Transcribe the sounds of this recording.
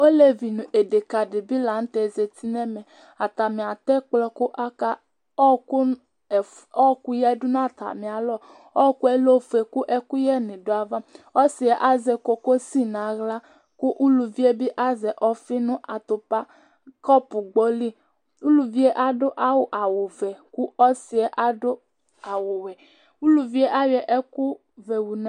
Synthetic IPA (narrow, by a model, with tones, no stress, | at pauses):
o˦le˦vi˨nũ˨ʔe˨de˨ka˨dɪ˨bi˦la˨˦n̩˦t̪ɛ˨ze˨t̪i˦nɛ˦mɛ˨ | a˨t̪a˨mĩ˨a˨t̪ɛ˦k͡plɔ˦kʊ˦ʔa˦ka˦ | ɔ˦ku˦˨ | ɔ˦ku˦jɛ˦dʊ˦n˦a˦˨t̪a̰˨mĩ˨a˨lɔ˦˨ | ɔ˦ku˦ɛ˦lo˦fe˨ku˦ʔɛ˦ku˦jɛ˦nɪ̃˨dʊ˦a˨va˦ɔ˦si˨ɛ˨ʔa˦zɛ˨ko˨ko˦si˦nã˨ɣla˦ | ku˦ʔu˦lu˨vi˦e˦bi˦ʔa˦zɛ˨ʔɔ˦fi˦nʊ̃˦ʔa˨t̪ʊ˨pa˦ | kɔ˦pu˨ɡ͡bɔ˦li˦ | u˦lu˨vi˦e˦ʔa˦do˦ʔa˦wo˨ʔa˨wo˨vɛ˨ku˦ɔ˦si˨ɛ˦ʔa˦do˦ | a˨wo˨wɛ˨ | u˦lu˨vi˦e˦ʔa˦wɛ˨ʔɛ˦ku˦ | vɛ˨wu˨na˦